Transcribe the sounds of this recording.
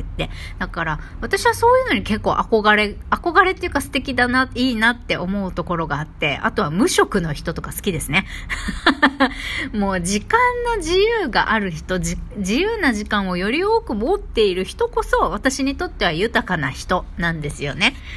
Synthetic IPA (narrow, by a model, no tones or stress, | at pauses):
t̪ːe̞d̪̥akaɾa | βat̪aɕiβaso̞ːjɯ̟no̞ɲ̟ike̞kːo̞ːʔako̞ɡaɾe̞ako̞ɡaɾe̞t̪ːejiɯ̟kasɨ̥t̪e̞kʲid̪anaiːnat̪ːe̞ʔo̞mo̞ɯ̟t̪o̞ko̞ɾo̞ɡaːt̪ːe̞̰a̰t̪o̞βamɯ̟ɕo̞kɯ̟no̞çi̥t̪o̞t̪okasɨ̥kʲid̪e̞sɨne | mo̞ːd͡ʑikãnːo̞ʑijɯːɡa̰ʔaɾɯ̟çi̥t̪o̞d͡ʑid͡ʑijɯːnaʑikãɰ̃o̞jo̞ɾʲio̞ːkɯ̟mo̞t̪ːe̞iɾɯ̟çi̥t̪o̞ko̞so̞βat̪aɕiɲ̟it̪o̞t̪ːe̞β̞ajɯ̟t̪akana̰çi̥t̪o̞nãnd̪e̞sɨjo̞̰ne̞